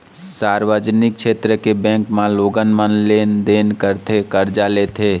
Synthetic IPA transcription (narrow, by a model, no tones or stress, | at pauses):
saɾʋəd͡ʒnɪk̚t͡ʃʃʰet̪ɾəkebɛ̃ŋkmãloːɡənmənlend̪eːnkəɾt̪ʰekəɾd͡ʒalet̪ʰe